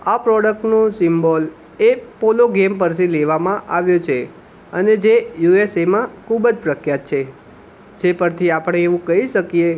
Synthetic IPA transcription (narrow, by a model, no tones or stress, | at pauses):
apɾɔɽək̚ʈnosɪmbol | epoloɡemp̬əɾt̪ʰileʋamãʔaʋjot͡ʃʰe | əned͡ʒejuesemãkʰubəd͡ʒpɾəkʰjat̪̚t͡ʃʰe | d͡ʒepəɾt̪ʰiapəɽ̃eːʋũkəɦiʃəkije